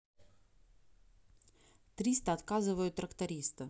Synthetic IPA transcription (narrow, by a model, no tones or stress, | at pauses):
t̪ɾʲist̪əɐt̪kazɨvəjʊt̪ːɾəkt̪ɐɾʲist̪ɨ